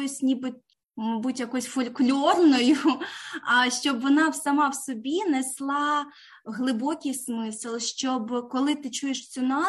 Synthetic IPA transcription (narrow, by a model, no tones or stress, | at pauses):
jsʲnʲibɪtʲ | mɐbutʲjɐkɔjʊsʲfɔlʲklʲɔrnɔjʊ | ʃt͡ʃɔbʋɔnɑwsɐmɑwsɔbʲinɛslˠɑ | ɦlˠɪbɔkʲijsmɪsɨlˠʃt͡ʃɔbkɔlˠɪt̪ɪt͡ʃujeʃt͡sʲʊnɑ